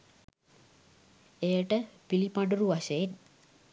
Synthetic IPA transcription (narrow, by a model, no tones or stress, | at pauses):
ejəʈəpilipaɖuɾuʋaʃəet